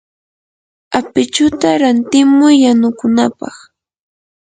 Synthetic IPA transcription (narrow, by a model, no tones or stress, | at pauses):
apɪt͡ʃʊt̪aɾant̪ɪmʊjːanʊkʊnapɑ̰χ